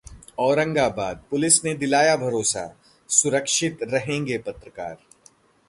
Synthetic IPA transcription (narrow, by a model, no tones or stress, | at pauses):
ɔːɾə̃ŋɡabaːd̪̚pʊlɪsned̪ɪlaːjabʱɐɾoːsa̰ | sʊɾəkʃɪt̪ɾɐɦẽːŋɡepɐt̪ɾəkaːɾ